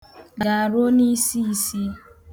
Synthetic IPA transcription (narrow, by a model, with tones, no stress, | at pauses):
ɡa˨a˨ɾo˦ni˦si˦i˦si˦